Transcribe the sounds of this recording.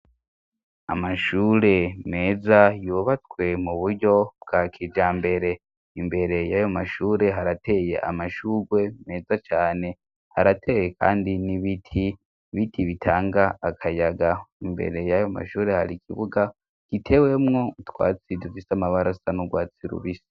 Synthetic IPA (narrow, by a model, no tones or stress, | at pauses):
amaʃuːɾe̞me̞ːzajuβat͡swe̞muβuɾɟo̞bɡaːkʰid͡ʒaːmbe̞ɾe̞ | imbe̞ɾe̞jajomaʃuːɾe̞ɦaɾatʰe̞je̞̰ʔa̰maʃuɡwe̞me̞ːzat͡ʃaːne̞ | haɾatʰe̞jekʰa̰ːndiniβitʰi | βitʰiβitʰaːŋɡaːkʰajaɡaimbe̞̰ɾe̞jajoma̰ʃuːɾe̞haɾikʰiβuɡa | kitʰe̞we̞mŋo̞utwa̰ːt͡sidufisamaβaɾasanuɡwaːt͡siɾṵβisi̥